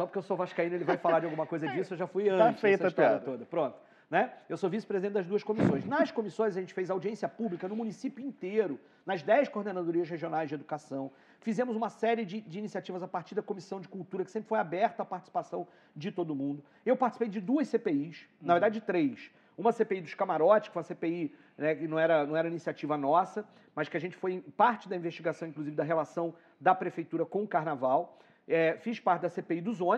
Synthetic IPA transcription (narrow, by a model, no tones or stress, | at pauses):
sɔpoɾ̥kewsovaʃkaĩnelɪvajfalaɾd͡ʒɪawɡũmɐkojzɐd͡ʒisʊewʒafujɐ̃t͡ʃɪzfejtsɐɐʃt̪ɔɾiɐt̪od̪ɐpɾõt̪ʊ̥ | nɛewsovisɪpɾezid̪ẽt͡ʃ̪d̪ɐzd̪uɐʃkomisõj̃ʃnɐʃkomisõj̃zɐʒẽnt͡ʃɪ̥fejzawd͡ʒiẽsiɐpublikɐnʊmũnisipjʊĩnt̪eɾʊ | nɐzd̪ɛjskoɾd̪enad̪oɾiɐʃheʒionajzʒd͡ʒɪed̪ukasɐ̃w̃ | fizẽmʊzũmɐsɛɾɪd͡ʒɪd͡ʒɪːnisiat͡ʃivɐzapaɾt͡ʃiɾd̪ɐkomisɐ̃w̃d͡ʒɪkuwt̪uɾɐkɪ̥sẽpɾɪ̥fojabɛɾt̪ʊapaɾt͡ʃi̥si̥pasɐ̃w̃ | d͡ʒɪt̪od̪ʊmũnd̪ʊ | ewpaɾt͡ʃisi̥pejd͡ʒɪd̪uɐssepeiʃnɐveɾd̪ad͡ʒɪd͡ʒɪt̪ɾejʃ | ũmɐsepeid̪ʊʃkamaɾɔt͡ʃɪʃkfoj̃ũɐsepei | nɛkɪnɐ̃w̃ɛɾɐnɐ̃w̃ɛɾɐĩnisiat͡ʃivɐnɔsɐ | mɐskɪaʒẽnt͡ʃɪ̥foj̃paɾt͡ʃɪd̪ɐĩveʃt͡ʃiɡasɐ̃w̃ĩŋkluzivɪd̪ɐɦelasɐ̃w̃ | d̪ɐpɾefejt̪uɾɐkõʊkaɾnavaw | ɛfiʃpaɾt͡ʃɪd̪ɐsepeid̪ʊzõ